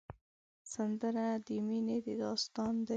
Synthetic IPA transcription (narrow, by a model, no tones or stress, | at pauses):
sand̪əɾad̪əmined̪əd̪ɑst̪ɑnd̪ə